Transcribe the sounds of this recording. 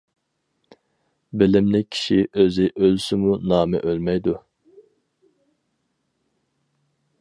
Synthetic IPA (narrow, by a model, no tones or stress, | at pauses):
bɪlɪmlɪkʲʰi̥ʃiʔøzɪʔølsɪmunɑːmɛ̰ʔølmɛjd̪u